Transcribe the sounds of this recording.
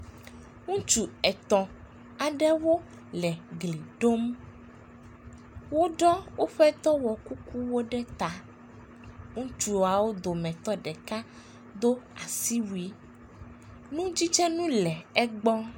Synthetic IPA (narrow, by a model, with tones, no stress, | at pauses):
ŋũ˦t͡ʃu˨ɛ˨t̪ɔ̃˨ | a˨ɖɛ˦wo˦ | lɛ˨ɡli˨ɖo˦m | wo˦ɖɔ˦wo˦ɸɛ˦t̪ɔ˦wɔ˨ku˦ku˦wo˦ɖɛ˦t̪a˨ | ŋũ˦t͡ʃu˦wo˨a˨wo˦d̪o˨mɛ̃˨t̪ɔ˦ɖɛ˨ka˦ | d̪o˦a˨si˦wu˨i˦ | nũ˦d͡ʑi˦t͡ʃɛ˦nũ˦lɛ˨ɛ˦ɡ͡bɔ˦